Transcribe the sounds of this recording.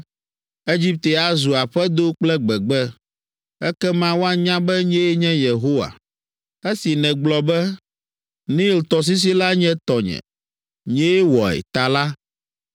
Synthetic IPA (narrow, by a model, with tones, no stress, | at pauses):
e˦d͡ʑi˦p̚t̪e˨a˨zu˨a˨ɸɛ˦d̪o˦k͡plɛ˦ɡ͡bɛ˨ɡ͡bɛ˦ | ɛ˦kɛ˦mã˦wo˦a˦ɲã˦bɛ˦ɲɛ̃˦ɲɛ̃˦je˨ɦo˦wa̰˨ | e˦si˨nɛ̃˨ɡ͡blɔ˨bɛ˦ | nĩ˦˨lt̪ɔ˨s̬i˦s̬i˦la˦ɲɛ̃˦t̪ɔ˨ɲɛ̰̃˨ | ɲɛ̃˦e˦wɔ˨ɛ̰˨t̪a˨la˦